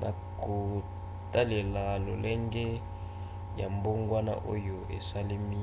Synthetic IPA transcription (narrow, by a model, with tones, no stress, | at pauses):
nʔa̰˨ | ko˨ | ta˦le˨la˨lo˨lɛ˦ŋɡɛ˦ | ja˨mbo˦ŋɡwa˦na̰˦ʔo̰˦jo˨ḛ˨sa˦li˦mi˦